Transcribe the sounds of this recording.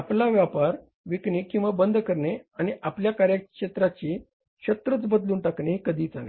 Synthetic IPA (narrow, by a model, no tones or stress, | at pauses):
aplaʋjapaɾ | ʋikɳikĩw̃ʋabənd̪ʱkəɾɳeañiʔapljakaɾjəkɕet̪ɾat͡ɕi | ɕət̪ɾət͡sbəd̪luːnʈakɳeɦkəd̪ʱiːt͡sale